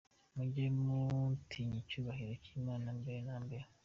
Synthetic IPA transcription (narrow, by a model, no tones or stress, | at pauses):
muɟemuntʰiɲicuːβahiɾociːmaːnambenaːmbeɾ